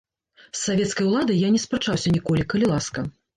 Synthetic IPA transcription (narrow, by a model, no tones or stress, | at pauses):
sːavʲɛt̪skɐjwlˠad̪ɐjjanʲɛspɾɐt͡ʂawsʲɐnʲikɔlʲikɐlʲilˠaskɐ